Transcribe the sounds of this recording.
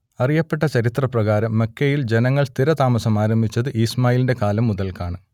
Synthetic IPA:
ɐrijɐpːe̞ʈːɐt͡ɕɐɾit̪rɐprɐɣaːɾɐmːɐkːɐjild͡ʑe̞nɐŋːɐɭst̪iɾɐt̪aːmɐsɐmaːɾɐmbʱit͡ɕːɐðɨʔiːsmaːjilindekaːlɐmːuðɐlkaːɳɨ

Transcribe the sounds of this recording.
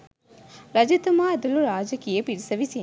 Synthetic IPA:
ɾɐd͡ʒɐt̪ːɐmaːɐd̪ɐluɾaːd͡ʒɐkːijɐpiɾsɐʋisi

